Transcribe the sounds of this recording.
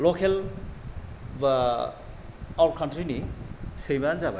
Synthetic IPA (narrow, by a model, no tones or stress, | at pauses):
lokʰel | ba | awɾ̚kʰantɾinisejmanzaba